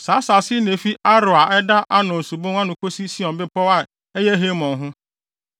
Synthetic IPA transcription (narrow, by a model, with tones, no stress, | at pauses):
saː˨˦sa˨sɪ˦nẽ˨fi˦ʔa˦ɾʊ˨a˨ʔɛ˦da˦ʔa˦nʊ̃˨su˨bõ˦ŋ˦ã˦nʊ̃˨kʰo˦si˦si˦ɔ̃˨bɪ˦pɔ˦wa˦˨ | ɛ˦jɛ˦ɦe˦mɔ̃˨ɦʊ̃˦